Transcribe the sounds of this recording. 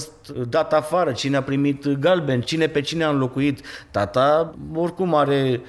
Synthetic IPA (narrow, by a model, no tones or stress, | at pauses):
st̪d̪at̪afaɾət͡ʃineapɾimit̪ɡalbent͡ʃine̞pe̞t͡ʃineaɨnlo̞kuit̪t̪at̪ao̞rkumaɾe̞